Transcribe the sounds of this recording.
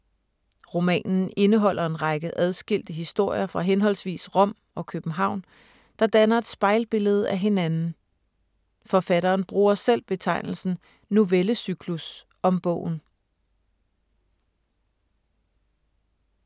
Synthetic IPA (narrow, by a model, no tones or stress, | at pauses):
ʁo̝mɛ̰ːnn̩e̝nəɦɒ̽l̰ɐe̝nʁɑ̈ɡ̥əʔæð̞ˠsɡ̥il̰d̥əɦisd̥o̝ɐ̰jɐfʁɑ̈ɦenɦɒ̽l̰sʋḭːsʁɔ̽m̰ | ɒ̽kʰøb̥n̩ɦɑ̈ʊ̰n | d̥ɑ̈d̥ænɐe̝d̥sb̥ɑ̈ɪlb̥e̝ləð̞ˠæɦe̝nænn̩ | fɒ̽fæɾɐːnb̥ʁuːɐsel̰b̥e̝t͡sʰɑ̈ɪ̰nl̩sn̩ | noʋeləsykʰlus | ɒ̽mb̥ɔ̰̽ʊ̰n̩